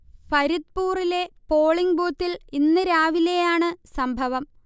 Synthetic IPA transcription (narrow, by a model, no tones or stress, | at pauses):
pɐɾit̪puːrile̞po̞ːɭiŋboːt̪ːilinːɨɾaːʋile̞jaːɳɨsɐmbʱɐʋɐm